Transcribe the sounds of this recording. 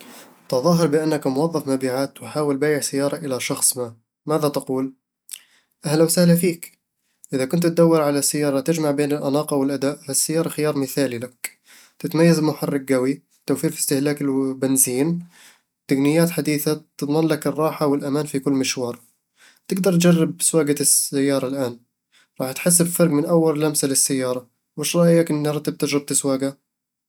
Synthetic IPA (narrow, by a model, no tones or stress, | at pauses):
t̪ɑðˤɑːɦɨɾˤbɪʔanːakmʊwɑðˤːɑfmabiːʕaːt̪wɪħaːwɪlbaːjɪʕsajːɑːɾˤɑʔɪlaʃɑxsˤmaː | maːðat̪ɪquːl | ʔahlawsahlafiːk | ʔɪðakʊnt̪t̪̚d̪awːɑɾˤʕalasajːɑːɾˤɑt̪ɪd͡ʒmaʕbeːnɪlʔanɑːqɑwɪlʔad̪aːʔfasːajːɑːɾˤɑxɪjɑːɾˤmɪθaːlilak | t̪ɪt̪majːazlmʊħarˤːɑk̚ɡawi | t̪ːawfiːɾfi̥st̪ɪhlaːkɪlbɪnziːn | t̪aɡnɪjːaːt̪ħad̪iːθat̪ɪt̪ˤmɑnlakɨrˤːɑːħawɪlʔamaːnfikʊlːmɪʃwɑːɾˤ | t̪ɪɡd̪ɑɾˤt̪̚d͡ʒɑrːɪb̚swaːɡasajːɑːɾˤɑlʔaːn | ɾˤɑːħt̪ħɪs̬ːɪbfɑɾˤɡmɪnʔawːaɾlamsalɪsːajːɑːɾˤɑ | wɪʃɾˤɑːʔjakʔɪnːɾˤɑt̪ːɪb̚t̪ɪd͡ʒɾɪb̚t̪ɪswaːɡa